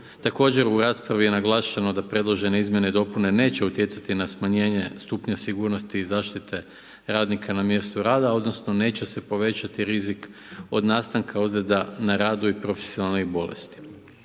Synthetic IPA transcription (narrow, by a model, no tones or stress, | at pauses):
t̪ako̞ːd͡ʑe̞ɾuɾaːspɾaʋije̞naɡlˠaːʃano̞d̪apɾe̞d̪lˠo̞ʒe̞neizmje̞ned̪o̞pune̞ne̞ːt͡ɕe̞ut̪je̞t̪sat̪inasmaɲe̞ːɲe̞st̪upɲasiɡuːɾno̞st̪iːzaːʃt̪it̪ʰe̞ | ɾaːd̪nikʰanamje̞st̪uɾaːd̪ao̞d̪no̞sno̞ne̞ːt͡ɕese̞po̞ʋe̞t͡ɕat̪iɾizik | o̞d̪naːst̪aŋkʰaozled̪anaɾaːd̪uipɾo̞fe̥sijonalnibo̞lḛst̪i̥